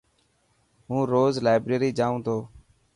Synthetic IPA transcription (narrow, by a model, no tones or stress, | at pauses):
ɦũːɾoːzlaːɪbɾeːɾiːd͡ʒaːũːt̪ʰoː